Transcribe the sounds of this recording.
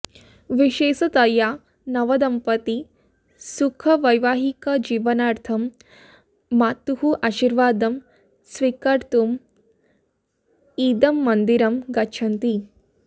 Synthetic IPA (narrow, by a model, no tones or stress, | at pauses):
ʋiʃeːsɐt̪ɐja | nɐʋɐd̪ɐmpɐt̪i | sukʰɐʋɐjʋaːɦikɐd͡ʒiːʋɐnaːɾt̪ʰɐmː | aːt̪ːuhuʔaːʃiɾʋaːd̪ɐm | sʋikɐɾt̪um | iːd̪ɐmːɐnd̪iɾɐmɡɐtːʃʰɐnt̪i